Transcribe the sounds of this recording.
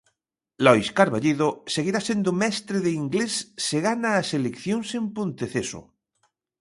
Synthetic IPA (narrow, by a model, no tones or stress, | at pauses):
lɔjskaɾβaʎiðoseɣ̞iɾasend̪omɛst̪ɾeðeiŋɡlesːeɣanaːselekθjõnsempont̪eθeso̰